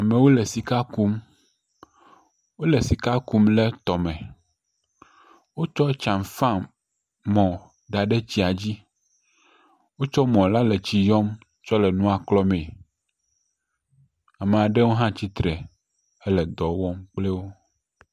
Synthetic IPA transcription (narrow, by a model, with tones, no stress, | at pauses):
a˨mẽ˨wo˦lɛ˨si˨ka˦ku˦m | wo˦le˨si˨ka˦ku˦mlɛ˦t̪ɔ˨mɛ̃˨ | wo˦t͡ʃɔ˦t͡ʃã˨m˨fã˦ | mɔ̃˨ | d̪a˨ɖe˦t͡ɕi˦a˨d͡ʑi˦ | wo˦t͡ʃɔ˦mɔ̃˨la˦lɛ˨t͡ɕi˦jɔ˦m | t͡ʃɔ˦lɛ˨nũ˦a˨klɔ˦mẽ˨ | a˨me˨a˨ɖɛ˦wo˦ɦã˦t͡ɕi˦t̪ɾɛ˨ | ɛ˦lɛ˨d̪ɔ˨wɔ˦mk͡plɛ˦wo˦